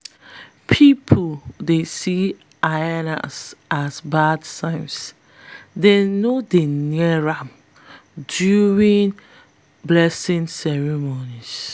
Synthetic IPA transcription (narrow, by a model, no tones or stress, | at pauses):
pʰipʰuldesi | ajana̰sʔasbadsãɪ̃ms | denodeniɛɹam | djuɹĩn | blɛsĩnsɛɹimonis